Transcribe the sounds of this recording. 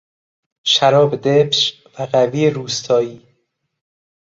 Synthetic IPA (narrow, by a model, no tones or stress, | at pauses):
ʃæɾɒːbed̪ebʃ | væɣæviːeɾuːst̪ʰɒːjiː